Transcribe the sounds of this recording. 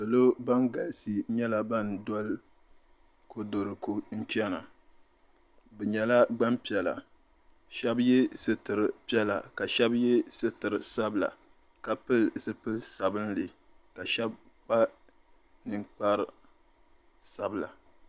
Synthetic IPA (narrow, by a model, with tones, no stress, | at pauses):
so˨lo˦ba˦ŋɡa˨lsi˦ɲɛ˦la˨ba˦ndɔ˦l | ko˦do˨ɾɨ˨ko˦n̩˦t͡ʃɛ˦na̰˨ | bɛ˨ɲɛ˨la˦ɡ͡ba˦mpi˨ɛ˨la̰˨ | ʃɛ˦bjɛ˦sɨ˦tɨ˨ɾɨ˨pi˦ɛ˦la̰˨ka˨ʃɛ˦bjɛ˦sɨ˦tɨ˨ɾɨ˨sa˦bla̰˨ | ka˨pɨ˦lsɨ˦pɨ˦lsa˨bɨ˦n˦lɨ˨ | ka˨ʃɛ˦b̚ | k͡pa˦ | nɨ˦ŋk͡pa˦ɾ | sa˦bla̰˨